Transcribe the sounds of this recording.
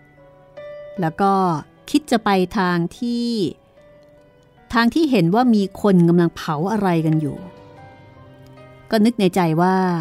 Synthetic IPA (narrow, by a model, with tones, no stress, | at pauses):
lɛː˦˥wkɔː˥˩ | kʰi˦˥t̪̚t͡ɕa˨˩pa˧jt̪ʰaː˧ŋt̪ʰiː˥˩ | t̪ʰaː˧ŋt̪ʰiː˥˩ɦe˩˦nwaː˥˩miː˧kʰo˧nka˧mla˧ŋpʰa˩˦wʔa˧ɾa˧jka˧njṵː˨˩ | kɔː˥˩nɯ˦˥k̚na˧jt͡ɕa˧jwaː˥˩